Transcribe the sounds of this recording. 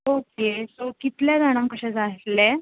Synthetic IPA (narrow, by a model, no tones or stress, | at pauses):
okesokit̪ljad͡zaɽ̃ãŋkəɕɛ̃d͡zat̪le